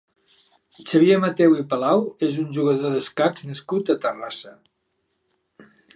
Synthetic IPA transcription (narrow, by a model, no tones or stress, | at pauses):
t͡ʃəβiemət̪ewipəlawezunʲʒuɣəðoðəskakz̥nəskut̪ət̪ərasə